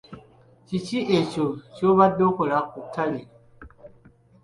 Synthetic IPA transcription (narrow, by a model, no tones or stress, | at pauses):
t͡ʃit͡ʃiʔet͡ʃot͡ʃoβadokoɾakutʰaɾi